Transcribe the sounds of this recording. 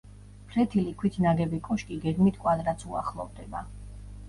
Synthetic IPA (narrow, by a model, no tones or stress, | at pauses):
pʰɾɛt̪ʰilikʰwit̪ʰnaɡɛbikʼɔʃkʼiɡɛɡmit̪ʰkʼwad̪ɾat̪sʰua̰χlˠɔ̰vd̪ɛba